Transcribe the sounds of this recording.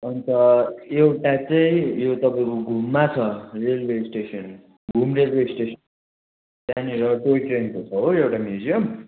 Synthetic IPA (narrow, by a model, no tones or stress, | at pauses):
ʌnt̪ʌewʈat͡saĩjot̪ʌpaĩkoɡʱumːat͡sʰʌrelwesʈesʌn | ɡʱumrelwesʈesʌn | t̪aniɾʌʈoikrenkot͡sʰʌɦoewʈamjud͡ziʌm